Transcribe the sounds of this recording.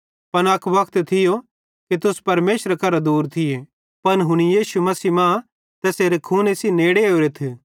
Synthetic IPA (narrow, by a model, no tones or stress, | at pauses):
pɐnɐkʰʋɐkʰt̪t̪ʰɪjo | kit̪ʊspɐɾmeːʃɾɐkʰɐɾad̪uːɾt̪ʰɪje | pɐnɦʊɽ̃ijiːsumɐsiːmã | t̪ɛseːɾekʰuːnesineːɽeoːɾet̪ʰː